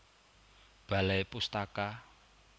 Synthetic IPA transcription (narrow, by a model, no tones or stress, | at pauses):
b̥a̤lajpust̪aka